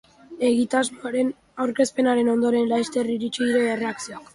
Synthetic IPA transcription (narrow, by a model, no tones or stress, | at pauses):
e̞ɣit̪azmoaɾe̞n | awɾke̞spe̞naɾe̞no̞nd̪o̞ɾe̞nlajst̪e̞riɾit͡ʃiðiɾe̞ere̞aksioak